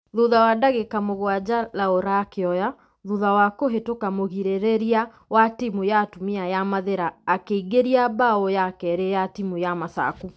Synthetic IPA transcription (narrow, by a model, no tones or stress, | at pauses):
ðuðawadaɣekamoɣwad͡ʑalaoɾakeɔja | ðuðawakoɦetokamoɣiɾeɾeɾia | watimujatumiajamaðeɾaːkeiɡeɾiabaɔjakɛɾejatimujamasa̰ku